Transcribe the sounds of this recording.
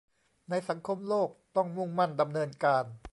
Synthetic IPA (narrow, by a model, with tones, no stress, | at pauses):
na˧jsa˩˦ŋkʰo˧mloː˥˩k̚t̪ɔ˥˩ŋmu˥˩ŋma˥˩nda˧mnɤː˧nkaː˧n